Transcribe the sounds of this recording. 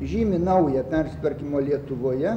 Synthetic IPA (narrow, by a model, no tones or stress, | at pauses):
ʒʲiːmʲɪnɐʊjɛpʲæɾʲsʲɪ̥t̪ʋɐɾʲkʲimoːlʲiɛt̪ʊʋoːjɛ